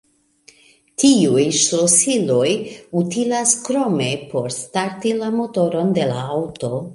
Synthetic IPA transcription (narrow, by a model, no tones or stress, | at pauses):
tʰiujʃlosilo̞jutilaskɾo̞me̞pʰo̞ɾstaɾtilamo̞to̞ɾo̞nde̞laawto